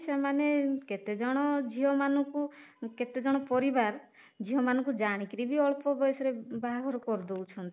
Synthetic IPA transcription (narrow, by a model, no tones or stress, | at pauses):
semaneket̪ed͡ʒɔɽ̃ɔd͡ʒiɦɔmanɔ̃kuket̪ed͡ʒɔɽ̃ɔpɔɾibaɾ | d͡ʒiɦɔmanɔ̃kud͡ʒaɽ̃ikiɾibiɔɭpɔbɔjsɔɾebaɦaɡʱɔɾɔkɔɾd̪out͡ʃʰɔnt̪i